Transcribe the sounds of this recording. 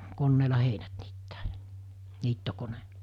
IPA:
konːeːlɑ heinæt niːtːæː jɑ̥ niːtːokone

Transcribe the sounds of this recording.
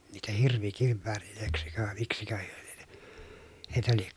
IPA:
niːtæ hirʋikiʋːæːriløˑeksikø ʋɑˑe miksikø hyø l̥i̥e̥n̥e̥ heitæ liek

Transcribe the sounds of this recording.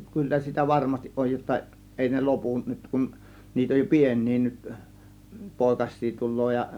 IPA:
kylːæ sitæ ʋɑrmɑstiʔ ʔoj jotːɑ eˑi ne lopun nyt kun niːt oj jo pien̆ʲniː nyt poˑe̝kɑsˑiː tulˑoː jɑ

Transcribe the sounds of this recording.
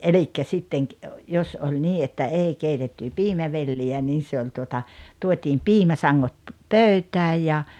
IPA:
elikːæ sitːeŋ ki jos olʲ niː etːæ eˑi keitetːy piːmæʋelːiæ niː se olʲ tuotɑ tuotʲiːm piːmæsɑŋːot pøˑytæːj jɑ

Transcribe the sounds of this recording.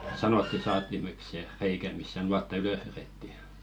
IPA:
sɑnotːi sɑːtːimek se reikæ mist̆ se nuɑtːɑ yløh ʋereˑtːi

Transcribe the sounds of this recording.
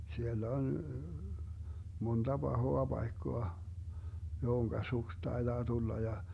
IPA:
sielː on mond̥ɑ b̥ɑhoɑ b̥ɑikːoɑ johoŋkɑ suks tɑed̥ɑː tulːɑ jɑ

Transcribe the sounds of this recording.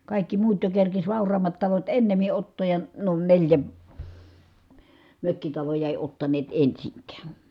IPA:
kɑˑikːi muːt jo kerkis ʋɑˑurˑɑːmːɑt tɑlot enːemi ʔotːoːj jɑ nuo nelʲjæ møkːitɑlojɑ eˑi otːɑneːt ensiŋkæːn

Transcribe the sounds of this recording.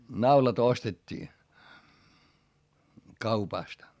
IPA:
nɑulɑt ostetʲːiː kɑupɑstɑ̆

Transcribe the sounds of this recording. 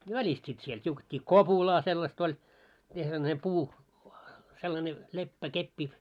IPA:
ʋælist sit siel tʲiuketʲːiː kopulɑː selːɑst olʲ mite selːɑne puː selːɑne lepːækepːi

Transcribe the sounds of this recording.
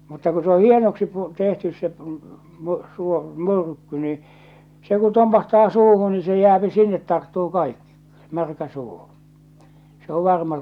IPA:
mutːɑ ku se o hienoksi pu tehtys se p my suo my̞rkːy ni se ku tompɑhtɑː suːhu ni se jæːpi sinːet tɑrtːuː kɑikːi mærkæ suː se o ʋɑrmɑ

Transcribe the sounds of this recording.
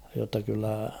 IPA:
jotːɑ kylːæ

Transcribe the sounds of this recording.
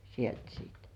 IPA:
sielt siːt

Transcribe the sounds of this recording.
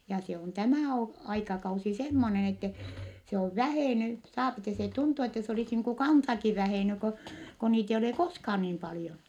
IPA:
jɑ se on tæmæˑ o ɑikɑkɑusi semːonen etːɛ se oʋ ʋæheˑny sɑːpi etːɛ se tuntu etːɛ se olis niːŋ ku kɑnsɑki ʋæheˑny ko ko niːt eij ole koskhɑːn niːm pɑlĭjon

